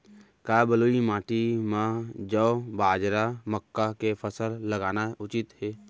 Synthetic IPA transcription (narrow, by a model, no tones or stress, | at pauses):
kaːbəloːimãːʈimãd͡ʒəbaːd͡ʒɾaməkːakepʰəsəɾləɡaːnaʊt͡ʃɪt̪ɦeː